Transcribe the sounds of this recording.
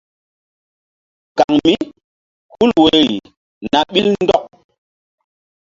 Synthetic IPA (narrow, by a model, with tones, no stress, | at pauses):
ka˨ŋmi˦ | hu˦lwe˨˦i˨ | na˨ɓi˦lndɔ˦k̚